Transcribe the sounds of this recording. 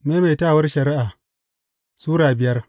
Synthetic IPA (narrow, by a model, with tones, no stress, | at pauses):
meː˦meː˨jtaː˦˨wɐ˦rʃɐ˨ɾɪ˦ʔaː˨ | suː˦ɽaː˨bɪ˨jɐ˦r